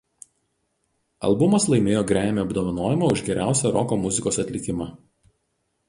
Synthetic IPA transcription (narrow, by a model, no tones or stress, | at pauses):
ɐ̰lˠbʊmɐslˠɐɪmʲeːjoːɡɾʲæːmʲeːɐbd̪oːʋɐnoːjɪmɐˑʊʒɡʲɛɾʲʔæˑʊsʲɛɾɔkomʊzʲɪkoːsɐt̪ʲlʲɪkʲɪmɐ